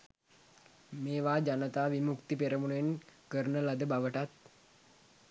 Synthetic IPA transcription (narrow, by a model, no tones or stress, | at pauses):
meːʋaːd͡ʒanət̪aːʋimukt̪ipeɾəmuɳenkəɾɳəlad̪əbaʋəʈat̪̚